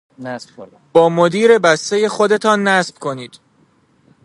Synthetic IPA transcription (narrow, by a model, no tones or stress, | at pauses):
s | b̥ɒːmo̞d̪iːɾe̞bæst̪e̞je̞xo̞d̪e̞t̪ʰɒːnːæsb̥kʰo̞niːd̪̥